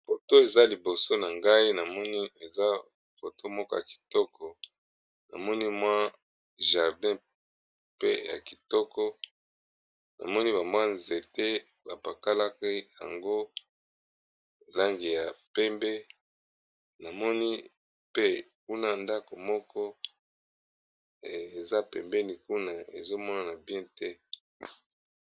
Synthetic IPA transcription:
fo˨to˦e˨za˦li˨bo˨so˦na˨ŋɡa˦i˦na˨mɔ˦ni˦e˨za˦ | fo˨to˦mɔ˦kɔ˦ja˨ki̥˨tɔ˦kʰɔ˨ | na̰˨mɔ˦ni˦mwa˦ | ʒa˨ʁdɛ̃˦ | pḛ˦ja̰˨ki˨tɔ˦kɔ˦ | na̰˨mɔ˦ni˦βa˨mbwa˦nze˨te˦ | ba˨pa˨ka˦la˦ke˦ja̰˨ŋɡo˦˨ | la˦ŋɡi˨ja˨pɛ˦mbɛ˦ | na˨mɔ˦ni˦ | pe˦ku˦na˦nda˦ko˨mɔ˦kɔ˦ | e˨za˦pɛ˨mbɛ˦ni˨ku˦na˦ḛ˨zo˦mɔ˦na˨na˨bjɛ̃˦tɛ˦

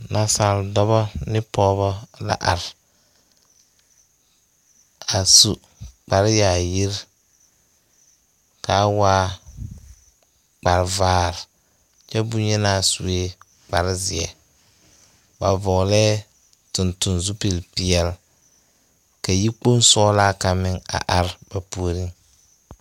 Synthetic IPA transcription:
na˨sa˨ldɔ˦bɔ˦nɪ˦pɔː˦bɔ˦la̰˨ʔa˨ɾ | a˨su˨ | k͡pa˨ɾɪ˦ja˨ji˦ɾ | ka˨˦waː˦ | k͡pa˨ɾvaː˦ɾ | t͡ʃɛ˦bʊ˦ɲɛ˦naː˦su˨e˦ | k͡pa̰˨ɾɪ˦zɪ˨ɛ̰˨ | ba˨vɔ˨ɣlɛː˦ | tʊ˨ntʊ˨nzu˦pi˨lpi˨ɛ˦˨l | ka˨ji˦k͡po˦n˦sɔː˦laː˦ka˨mɪ˦ŋa̰˨ʔa˨ɾba˨pu˦o˦ɾi˦ŋ

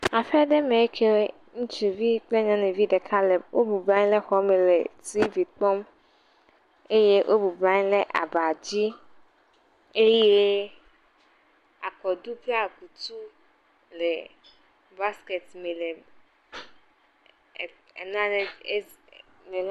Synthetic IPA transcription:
a˨fɛ˦ɖe˦mẽ˨˦kʰe˦we˦ | ŋũ˦t͡ʃi˨vi˦k͡ple˦ɲã˦nẽ˨vi˦ɖe˨kʰa˦le˨wʔo˦bu˨bɾã˦ɲ˦le˦xɔ˦me˨le˨ti˦vi˨k͡pɔ˦m | e˦je˦ʔo˦bu˨bɾã˦ɲ˦le˦ʔa̰˨ba˨d͡ʑi˦ | e˦je˦ | a˨kɔ˨d̪u˦pe˦a˨ku˨t̪u˦ | le˨ | ba˦ske˨tme˨le˨ | n˦a˦le˨˦ | me˨l

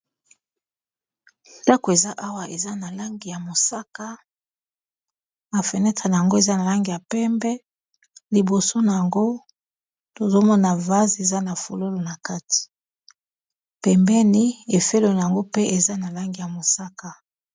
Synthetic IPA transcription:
nda˦ko˨e˨za˦ʔa˦wa˨e˨za˦na˨la˦ŋɡi˨ja˨mo˨sa˦ka˨ | a˨fɛ˨nɛ˦tʁa˨na˨ja˨ŋɡo˦e˨za˦na˨la˦ŋɡi˨ja˨pɛ˦mbɛ˦ | li˨bo˨so˦na˨ja˨ŋɡo˦ | to˨zo˦mɔ˦na˨va˦ze˨za˦na˨fo˨lo˦lo˨na˨ka˦ti̥˨ | pɛ˨mbɛ˦ni˦e˨fe˦lo˨na˨ja˨ŋɡo˦pe˦ʔe˨za˦na˨la˦ŋɡi˨ja˨mo˨sa˦ka˨

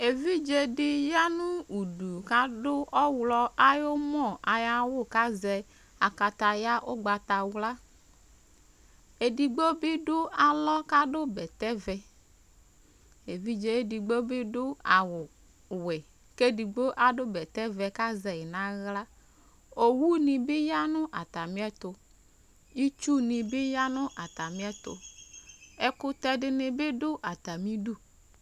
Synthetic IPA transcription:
e˨vi˦d͡ʒe˦di˦ja˦nũ˦u˨du˨ka˦dʊ˦ɔ˦wlɔ˦a˦jo˦mɔ˦˨a˨ja˦wʊ˦˨ka˦zɛ˨ | a˨ka˨t̪a˨ja˦ʔo˦ɡ͡ba˨t̪a˨wla˦ | e˨di˨ɡ͡bo˦bi˦dʊ˦a˨lɔ˦ka˦ɖo˦bɛ˨t̪ɛ˦vɛ˨ | e˨vi˦d͡ʒe˨˦e˦di˨ɡ͡bo˦bi˦dʊ˦a˨wʊ˨ | wɛ˨ | ke˦di˨ɡ͡bo˦ʔa˨ɖo˦bɛ˨t̪ɛ˦vɛ˨ka˦zɛ˨ji˨nã˦ɣla˦ | o˨wu˦nĩ˨bɪ˦ja˦nʊ̃˦ʔa˨t̪a˨mĩ˦ɛ˦t̪o˨ | i˦t͡ʃu˦nĩ˨bɪ˦ja˦nʊ̃˦ʔa˨t̪a˨mĩ˦ɛ˦t̪o̰˨ | e˦kʊ˦t̪ɛ˦ɖɪ˨nɪ̃˨be˦ɖʊ˦ʔa˨t̪a˨mĩ˦ɖu˦

